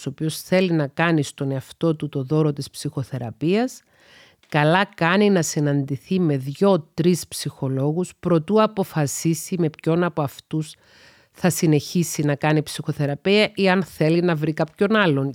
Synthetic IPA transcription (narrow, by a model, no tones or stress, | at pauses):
so̞pio̞sθe̞linɐkɐnist̪o̞ne̞ɐft̪o̞t̪ut̪o̞ðo̞ɾo̞t̪ispsixo̞θe̞ɾɐpiɐs | kɐlɐkɐninɐsinɐnd̪iθime̞ðʝo̞t̪ɾispsixo̞lo̞ɣuspɾo̞t̪uɐpo̞fɐsisime̞pço̞nɐpoɐft̪us | θɐsine̞çisinɐkɐnipsixo̞θe̞ɾɐpiɐʔiɐnθe̞linɐvɾikɐpço̞nɐlːo̞n